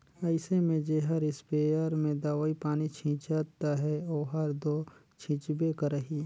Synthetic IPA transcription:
ɐɪsemẽd͡ʒeːɦəɾɪspeːəɾmẽd̪aʋaːipaːnit͡ʃʰĩːt͡ʃat̪aɦɛoːɦɐɾd̪oː | t͡ʃʰĩːt͡ʃbekəɾəɦiː

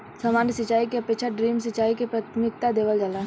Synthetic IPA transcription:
səmaːnjəsɪt͡ʃaːikeɐpeːkʃaɖɾiːmsɪt͡ʃaːikepɾaːt̪ʰmɪk̚t̪ad̪eːʋəld͡ʒala

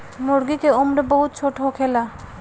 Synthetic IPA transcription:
moɾɡikeomɾebɔɦut̪̚t͡ɕʰoʈokʰela

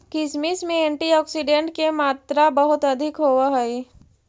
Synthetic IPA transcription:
kɪsmismẽẽːɳʈiɔːksiɖẽɳʈkemaːt̪ɾabɐɦʊt̪ɐd̪ʱɪkɦoːwaɦɛi

